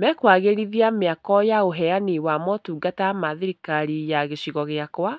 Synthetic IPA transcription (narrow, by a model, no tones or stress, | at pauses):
mɛkwaɣeɾiðiameakɔjaoɦɛaniwamɔtuːɡatamaðeɾikaɾijaɣeɕiɣɔɣeakwa